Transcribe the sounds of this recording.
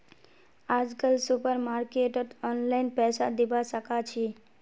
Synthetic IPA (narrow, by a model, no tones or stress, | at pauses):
aːd͡ʒkəlsupəɾmaːɾkeʈət̪ɔnlaɪnpɛːsad̪ibasəkat͡ʃʰi